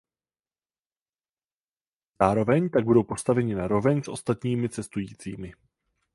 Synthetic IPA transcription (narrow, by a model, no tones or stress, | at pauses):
zaːɾo̞vɛɲt̪aɡ̚budo̞wpo̞st̪avɛɲɪnaɾo̞vɛɲsʔo̞st̪at̪ɲiːmɪt͡sɛst̪ujiːt͡siːmɪ